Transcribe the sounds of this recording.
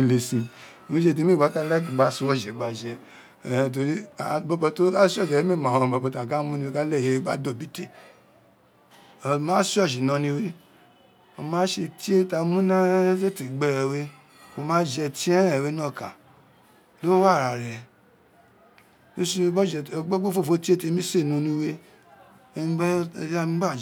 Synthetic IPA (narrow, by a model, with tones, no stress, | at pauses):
i˧le˧sĩ˧˨ | ĩ˦ʃe˧˨t̬i˧˦mĩ˦˨ɡ͡ba˨˦ka˦˧˦lɛ˦ki˨ɡ͡ba˦su˧wɔ˦˨d͡ʒɛ˨ɡ͡ba˨d͡ʒɛ˧˨ | t̬o˧ɾi˦a˨bɔ˧bɔ˧to˦a˦si˦ɔ˦˨d͡ʒɛ˨˦mĩ˦˨mã˨ɔ̃˨˧˨bɔ˧bɔ˧ta˨ɡa˦mũ˦nĩ˧we˦˧ka˦lɛ˦˨e˨˦e˦ɡ͡ba˦do˦˨bi˦te˦˨ | mãː˨˦si˦ɔ˦˨ʃi˨nɔ̃˧nĩ˧˦we˦ | o˧mãː˨˦ʃe˧ti˦e˦ta˧mũ˦nã˦se˦ti˨ɡ͡bɛ˧ɾɛ˨we˦ | o˧mãː˦d͡ʒɛ˧ti˦ɛ̃˦ɾɛ˦˨we˨˦nɔ̃˦˨ka˨ | lo˦wa˦˨ɾa˨ɾɛ˨ | to˦ʃi˦˧˦ɡ͡bɔ˦d͡ʒɛ˧ɡ͡bo˦ɡ͡bo˦fo˦˨fo˦ti˦e˦te˧˦mĩ˦se˦˨nũ˧nĩ˧we˦˧˦ | a˦ɡ͡ba˦˨d͡ʒ